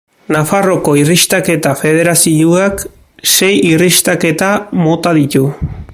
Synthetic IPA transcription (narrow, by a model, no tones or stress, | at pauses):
nafaro̞ko̞irist̪ake̞t̪afe̞ð̞e̞ɾasiuak | se̞jirist̪ake̞t̪amo̞t̪aðit̪u